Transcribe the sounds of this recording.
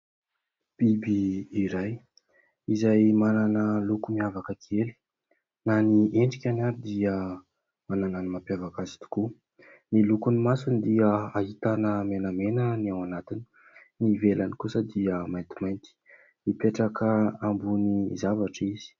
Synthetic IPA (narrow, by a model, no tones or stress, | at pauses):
b̥ibiːɾaj | izajmananəlukumiavakəkʰieli̥ | naniʔeɳɖ͡ʐikʲanaɾid̪iə | manananimapjavakazi̥t̪u̥ku | nilukunimasunid̪iəaɦit̪anəmenəmenəniawanat̪ini̥ | nivelanikusəd̪iəmajnt̪i̥majnt̪i̥ | mipeʈ͡ʂakəambunizavaʈ͡ʂizi̥